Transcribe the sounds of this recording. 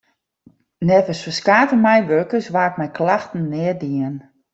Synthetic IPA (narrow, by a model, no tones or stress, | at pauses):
nɛvəsfəskaːtəmɛjʋøkəsʋaːt̚mɛjkʰlaxtn̩ːɪədiən